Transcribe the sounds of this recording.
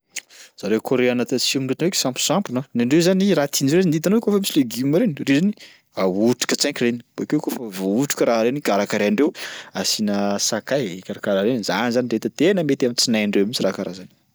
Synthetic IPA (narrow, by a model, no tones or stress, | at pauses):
z̥aɾekʰoɾeanat̪at͡siuminɳɖ͡ʐet̪eki̥sãmpi̥sampinanaɳɖ͡ʐezaniɾat̪ʰind͡ʒoɾennd̪id̪anowkofəmisileɡiumaɾenirezani | auʈ͡ʂu̥kət͡sãkʲireni̥b̥akewkofəvouʈ͡ʂu̥kəɾaɦaɾenikaɾakaɾeaɳɖ͡ʐewasinəsakajekaɾakaɾaɾenza̰nizaniɾet̪ət̪enəmet̪amit͡sinajaɳɖ͡ʐewamit͡sirakaɾazani̥